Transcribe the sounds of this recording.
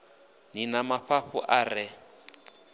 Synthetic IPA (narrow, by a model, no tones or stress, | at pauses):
ninamaɸaɸṵʔaːrɪ